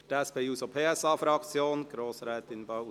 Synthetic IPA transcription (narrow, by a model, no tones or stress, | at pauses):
tɛspʰeːuːsopʰeːɛsɑːfɾɑkt͡sjoːnɡ̥ɾoːsɾɛːt̪ɪnbaʊ